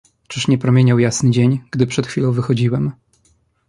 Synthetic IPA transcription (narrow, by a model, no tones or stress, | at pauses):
t͡ʂɘʂɲɛpɾɔmʲjeɲawjasnɘd͡ʑeɲɡ̥d̪ɘpʂɛt̪xfʲilɔ̃w̃vɘxɔd͡ʑiwɛm